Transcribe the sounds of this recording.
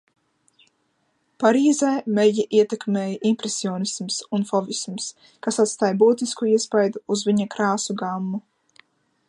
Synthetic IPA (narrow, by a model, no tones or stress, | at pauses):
paɾiːzɛːmɛjiʔiɛt̪ɛkmeːjaʔimpɾɛsiɔːnismsunfɔvisms | kasat̪st̪aːjbuːt̪iskuiɛspajd̪uːzviɲakɾaːsuɡamːu